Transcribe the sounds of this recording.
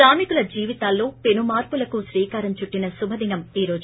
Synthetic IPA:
aːmikulɐd͡ʒiːʋit̪aːlːo̞ːpenumaːɾpulɐkusɾiːkaːɾɐmt͡ʃuʈːinɐsubʱɐd̪inɐmiːɾo̞ːd͡ʒ

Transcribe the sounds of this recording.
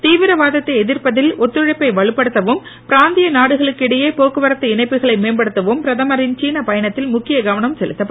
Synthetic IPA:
t̪iːʋɪɾɐʋaːðɐt̪ːɐɪɛðɪɾpɐðɪlɔt̪ːɯɻɐɪpːɐɪʋɐɻɯpːɐɽɯt̪ːɐʋɯm | pɪɾaːnd̪ɪjɐnaːɽɯɣɐɭɯkːɪɽɐjeːpoːkːɯʋɐɾɐt̪ːɐɪnɐɪpːɯɣɐɭɐɪmeːnbɐɽɯt̪ːɐʋɯmpɪɾɐðɐmɐɾɪnt͡ʃiːnɐpɐjɐɳɐt̪ːɪlmʊkːɪjɐɡɐʋɐɳɐmsɛlɯt̪ːɐpː

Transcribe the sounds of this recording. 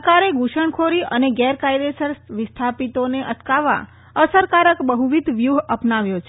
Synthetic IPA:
kaɾeɡuʃəɳkʰoɾiʔəneɡɛɾkajd̪esəɾsʋist̪ʰapit̪oneʔət̪ʰkaʋa̰ | əsəɾkaɾəkbəɦuʋid̪ʱʋjuɦəpnaʋjot͡ʃʰ

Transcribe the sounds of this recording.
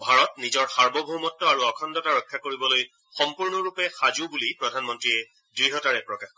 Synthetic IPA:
bʱaɹɔtnizɔɹxaɹbɔbʱomɔtːɔaɹuɔkʰɔndɔtaɹɔkʰːakoɹibɔloj | xɔmpuɹnɔɹupɛxazubulipɹɔdʱanmɔntɹiɛ | dɹiɦɔtaɹɛpɹɔkax

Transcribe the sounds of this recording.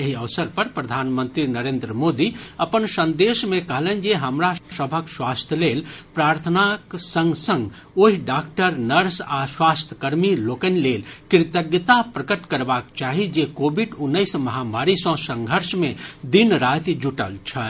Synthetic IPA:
jeɦiəʋsəɾpəɾpɾəd̪ʱaːnmə̃nt̪ɾinəɾeːnd̪ɾəmoːd̪iəpənsə̃nd̪eːʃmẽkəɦlẽnd͡ʒeɦəmɾasəbʱəkswaːst̪ʰjəleːlpɾaːɾt̪ʰənaksə̃ŋɡsə̃ŋɡ | oɦiɖaːkʈəɾnəɾsaswaːst̪ʰə̥kəɾmiloːkənlelkɪɾt̪əɡjət̪apɾəkəʈkəɾbaːkt͡ʃaːɦid͡ʒekoːbʱiɖunːəɪsmɐɦamaːɾisɔ̃sə̃ŋɡʱəɾsmẽd̪inɾat̪d͡ʒuʈə̰lt͡ʃʰɛ

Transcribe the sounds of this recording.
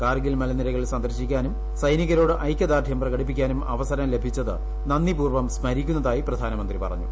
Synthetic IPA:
kaːriɡilmɐlɐnːilɐɣɐɭisɐnd̪ɐɾɕikʲːaːnum | sɐjniɣɐɾo̞ːɽɨʔɐjkʲːɐd̪aːrʈ̪ʰjɐmprɐɣɐɽip̬ːikʲːaːnumɐ̰ʋɐsɐɾɐmle̞bʱit͡ɕːɐðɨ | nɐnːipuːrʋɐmsmɐɾikʲːunːɐðaːjiprɐd̪ʱaːnɐmɐnd̪ripɐ̰rɐ̰ɲːṵ

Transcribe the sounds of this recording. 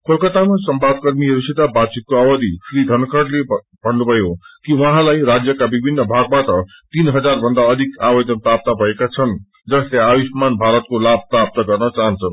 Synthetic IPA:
kʰolkʌt̪amasʌmbad̪̚kʌrmiɦʌɾuset̪abad̪̚t͡sit̪̚koʌwʌd̪ʱisrid̪ʱʌnkʌrle | bʱʌnːubʱʌjokiwʌɦãlajɾad͡zjʌkabibʱinːʌbʱaɡ̚baʈʌ | t̪inɦʌd͡zarbʱʌnd̪aʌd̪ʱikawʌd͡zʌnpɾap̚t̪abʱʌekat͡sʰʌn | d͡zʌsleabismanbʱaɾʌt̪̚kolab̚ʱprap̚t̪ʌɡʌrnʌt͡saɦʌnt͡sʰʌ

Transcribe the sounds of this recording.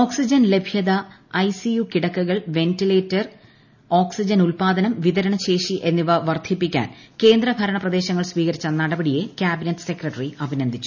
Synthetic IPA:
oːksid͡ʑɐnle̞bʱjɐðɐ | ɐjsijukiɽɐkːuɣɐɭʋe̞ntileːtːɐr | oːksid͡ʑɐnulpaːd̪ɐnɐmʋiðɐɾɐɳɐɕe̞ːʂiʔe̞nːiʋɐʋɐrd̪ʰʱipːikʲːa̰ːnke̞ːnd̪ɾɐbʱɐɾɐɳɐprɐd̪e̞ːɕɐŋːɐɭsʋiːɣɐɾit͡ɕːɐnɐɽɐbɐɽije̞kʲjaːbinetːɨ̥se̞krɐʈɐriɐbʱinɐnd̪ʱit͡ɕːu̥

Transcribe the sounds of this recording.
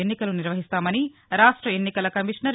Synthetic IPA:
enːikɐluniɾʋɐɦist̪aːmɐniɾaːʂʈɾɐenːikɐlɐkɐmiʂɳɐɾ

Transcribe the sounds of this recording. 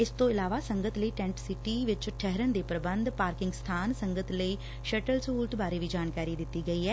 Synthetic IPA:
ɪst̪õːɪlaːʋaːsəŋɡət̪ləiːʈɛ̃ːɳʈsɪʈiːʋɪt͡ʃʈʰɛɦɾənd̪eːpɾəbənd̪paːɾkɪ̃ŋɡst̪ʰaːnsəŋɡət̪ləiː | ʃɛʈəlsəɦuːlʈbaːɾeːʋiːd͡ʒaːnkaːɾiːd̪ɪt̪ːiːɡəiːɦɛː

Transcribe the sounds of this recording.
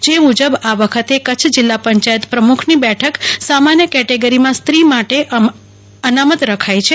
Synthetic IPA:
d͡ʒemud͡ʒəbaʋəkʰət̪ekət͡ʃʰd͡ʒɪlːapəɲt͡ʃajət̪pɾəmukʰnibɛʈʰəksamanjəkɛʈeɡəɾimãst̪ɾimaʈeʔ | ənamət̪ɾəkʰajt͡ʃʰe

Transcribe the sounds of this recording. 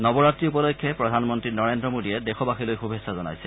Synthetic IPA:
nɔbɔɹatːɹiupɔlɔjkʰːjɛpɹɔdʱanmɔntɹinɔɹendɹɔmodiɛdexɔbaxilojxubʱesazɔna̰jsɛ

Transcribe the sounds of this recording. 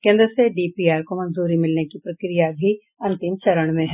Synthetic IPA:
kẽːnd̪ɾəseɖiːpiːaːɾkomɐ̃nzuːɾimɪlnekipɾɐkɾijabʱi | ɐ̃nt̪ɪmt͡ʃɐɾəɽ̃mẽɦɛ

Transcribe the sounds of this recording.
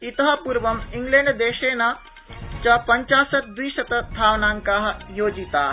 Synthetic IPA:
it̪ɐɦɐpuɾʋɐmiŋɡlẽːɳɖd̪eːʃeːna | t͡ʃapɐɲt͡ʃaːsɐt̪̚d̪ʋiːʃɐt̪ɐt̪ʰaːʋnaːŋkaɦjoːd͡ʒit̪aː

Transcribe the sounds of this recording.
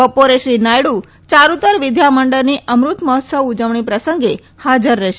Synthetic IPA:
əpoɾeʃɾinajɽu | t͡ʃaɾut̪əɾʋɪd̪ʱjaməɳɖəɾniʔəmɾut̪məɦət̪səʋud͡ʒəʋɳ̃ipɾəsəŋɡe | had͡ʒəɾːəʃ

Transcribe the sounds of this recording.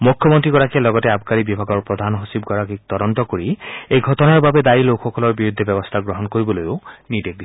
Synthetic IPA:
mukʰːjɔmɔntɹiɡɔɹakiɛlɔɡɔtɛabʱkaɹibibʱaɡɔɹpɹɔd̪ʱanɦosibɡɔɹakik̚t̪ɔdɔntɔkoɹiejɡʱɔtɔnaɹbabɛd̪ailokʰxɔkɔlɔɹbiɹud̪ʱːebɛbɔst̪ʰaɡɹɔɦɔnkoɹibɔlojʊnidek̚di

